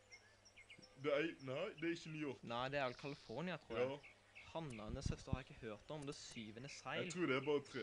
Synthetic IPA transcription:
d̪ɛænæɪd̪ɛæɪçːəmiːʊnæɪd̪ɛæɾʋɛlkʰɑlɪfɔʁnɪɑt̪ʰʁuː | hɑnːɑnəshœst̪əʁhɑɾɪkːəhøːɾt̪ɔmd̪ɛsyːʋənəsæɪlʁuːd̪ɛæbɑːʁət̪ʰɾe

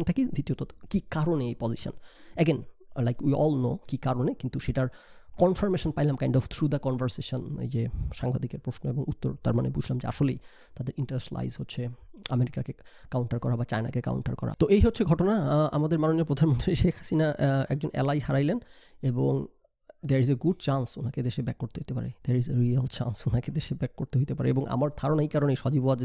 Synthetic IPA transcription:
nʈakid̪it̪iot̪okikaɾoneejpɔziʃo̰nɛɡenlajkujɔlno̰kikaɾonekint̪uʃeʈaɾkɔnfoɾmeʃonpajlamkajɳɖɔft̪ʰɾud̪akɔnvʱaɾseʃonḛjd͡ʑeʃaŋbad̪ikeɾpɾoʃnoeboŋut̪ːo̰ɾt̪aɾmanebud͡ʑʱlamd͡ʑḛa̰ʃolej | t̪ad̪eɾʔiɳʈeɾesʈla̰jzɦotːɕʰea̰meɾikake | kawɳʈaɾkɔɾabat͡ɕajna̰keka̰wɳʈa̰ɾkɔ̰ɾa̰t̪oʔejɦotːɕʰeɡʱɔʈonaamad̪eɾmanoniopɾod̪ʱanmont̪ɾiʃekʰhasinaʔɛk̚d͡ʑonʔɛ̰lajɦaɾajleneboŋ | d̪eɾizeɡuɖ̚t͡ɕansonaked̪eʃebɛkːoɾt̪eɦojt̪epa̰ɾed̪eɾizeɾialt͡ɕa̰nsonaked̪eʃebɛkːoɾt̪eɦojt̪epaɾḛeboŋʔa̰maɾd̪ʱaɾonaejkaɾoneʃɔd͡ʑiboad͡ʑ

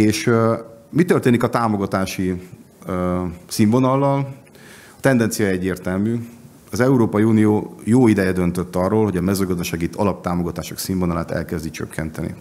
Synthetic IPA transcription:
eːʃ | mit̪ørt̪eːnikɒt̪aːmo̞ɡɒt̪aːʃi | siːɱvo̞nɒlːɒl | ɒt̪ɛnd̪ɛnt̪sijɒjɛɟːeːrt̪ɛlmyː | ɒzɛuɾoːpɒjiuːnijoːjoːid̪ɛjɛd̪ønt̪øt̪ːɒrːoːlho̞ɟɒmɛzøːɡɒzd̪ɒʃaːɡit̪ʰɒlɒp̚t̪aːmo̞ɡɒt̪aːʃoksiːɱvo̞nɒlaːt̪ɛ̰lkɛzd̪it͡ʃø̰kːɛnt̪ɛnḭ

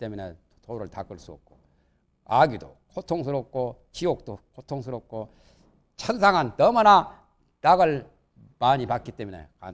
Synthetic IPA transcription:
t͈e̞minḛ | tʰoɾɯɭtak͈ɯɭs͈uʌ̰p̚k͈o | aɡidokʰotʰoŋs̬ʰɯɾop̚k͈ʰo | t͡ɕiok̚t͈okʰotʰoŋsʰɯɾop̚k͈ʰo | t͡ɕʰʌns̬ʰaŋantʌmʌna | taɡɯɭ | paɲipak̚k͈it͈e̞mine̞̰ka̰

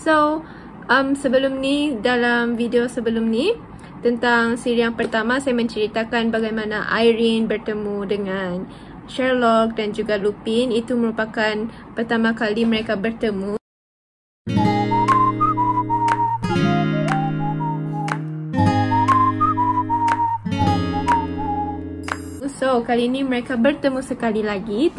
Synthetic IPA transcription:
so | ʔəmsəbəlumnidalamvidiosəbəlumni | t̪ənt̪aŋsiɾiaŋpərt̪amasajamə̃ɲt͡ʃəɾit̪akanbaɡajmãnaʔa̰jɾinbərt̪əmudəŋan | ʃɛrlɔk̚dand͡ʒuɡalupinit̪uməɾupakanpərt̪amãkalimə̃ɾekabərt̪əmũ | usowkaliːnĩməɾekabərt̪əmusəkalilaɡi

